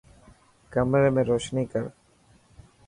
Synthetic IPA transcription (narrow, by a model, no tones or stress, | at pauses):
kəmɾemẽːɾoːʃniːkəɾ